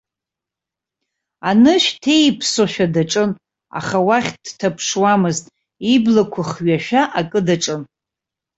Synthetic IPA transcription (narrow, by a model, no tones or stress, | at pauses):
anɨʃᶣtʰejpʰsoʃᶣadaʈ͡ʂʼɨn | a̰χawaχʲd̥tʰapʰʂwamɨztʼ | iblakʷʰaχɥaʃᶣaʔakʼɨdaʈ͡ʂʼɨn